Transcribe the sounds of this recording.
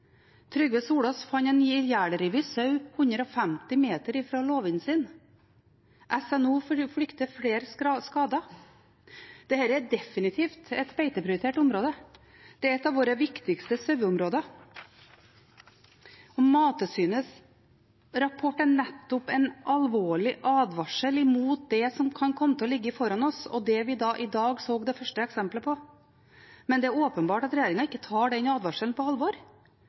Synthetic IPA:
t̪ʰɾʏɡʋeːsuːɽɔsfɑnɛnyːjæːɽəɾɪːʋɪsɑʉhʉnd̪ɾəɔfæmt̪ɪmeːt̪əɾiːfɾoːloːʋɪnsiːn | ʔɛsɛnuːfɽʏkt̪əfɽeːɾskɑːd̪ɑ | d̪̥ɛhæːɾəɛd̪ɛfɪnɪt̪ʰiːft̪ɛt̪beɪt̪əpʰɾɪʊɾɪt̪ʰeːʈʊmɾoːd̪ə | d̪̥ɛæɾɛt̪ːɑːʋoːɾəʋɪkt̪ɪkst̪əsœʉʊmɾoːd̪ə | ɔmɑːt̪əsyːnəs | ɾɑpʰɔʈːəɳɛt̪ːʊpɛnʔɑlʋoːɭɪʔɑːd̪ʋɑʂəlɪmuːt̪̚d̪ɛsɔmkʰɑnkʰɔmːət̪ʰɪlɔlɪɡːəɪfɔɾɑnɔsɔ̰d̪ɛʋɪd̪ɑːʔɪd̪ɑːɡsoːɡd̪ɛfœʂʈəɛksɛmpləpʰɔ | mɛnd̪ɛæɾoːpənbɑːʈɑt̪ɾɛjeːɾɪŋɑɪkːət̪ʰɑːɖɛnɑːd̪ʋɑʂəln̩pɔɑlʋɔɾ

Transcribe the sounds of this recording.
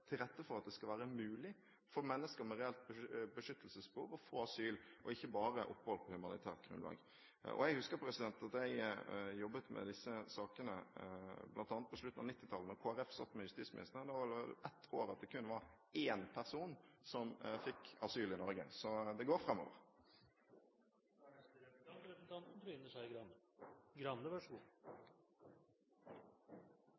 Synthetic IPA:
t̪ʰɪlɾɛt̪ːəfɔɾɑt̪̚d̪ɛskɑlʋæːɾəmʉːlɪ | fɔɾmɛnːəskəɾmɛɾɛɛlt̪̚bəbəʂʏt̪ːəlsəsbəhuːʋɔfoːɑsyːlʔɔɪçːəbɑːɾəʔɔ̰pːhɔlpʰɔhʉmɑnɪt̪ʰæːʁt̪̚ɡɾʉ̰nlɑ̰ːɡ | ɔ̰jæɡhʉskəɾpʰɾɛsɪd̪ɛnt̪ɑt̪jæɪjɔbːət̪mɛ̰d̪ɪsːəsɑːkənəblʔɑnt̪ɑnət̪̚pʰɔsʂɭʉt̪ːn̩ɑ̰nɪt̪ːɪt̪ʰɑlːənɔkʰoːæɾɛfsɑ̰t̪ːmɛjʉst̪iːtsmɪnɪ̰st̪əʁəd̪ɛʋɑʋɛllɛt̪ːʰoːɾɑt̪̚d̪ɛkʉnːəʋɑɾ | eːnpʰæɾsuːnsɔmfɪkɑsyːlɪnɔɾɡə̰sɔd̪ɛɡoːɾfɾɑmːɔ̰ːʋə̰ɾ | nt̪ʰɑnt̪n̩ynəʂæɪ | ɡɾɑnːəʋɑʂɡuː

